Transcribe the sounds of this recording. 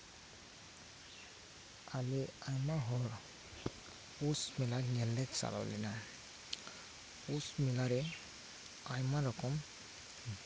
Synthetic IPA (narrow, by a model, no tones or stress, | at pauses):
aleajmaɦɔɾ | usmilaŋɛlːɛksa̰la̰wlɛ̰na | usmilaɾɛ | ajmaɾɔkʰɔm